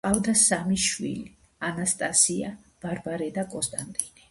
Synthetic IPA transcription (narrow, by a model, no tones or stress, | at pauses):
avd̪asamiʃwḭli | anast̪ʼasia | b̥aɾbaɾɛd̪akʼɔnst̪ʼant̪ʼini